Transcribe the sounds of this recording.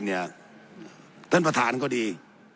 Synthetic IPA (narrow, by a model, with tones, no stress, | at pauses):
ni˧˩ə | t̪ə˧˥npʰa˨˩t̪ʰa̰ː˨˦nkɔ˧˦ɗi˧˩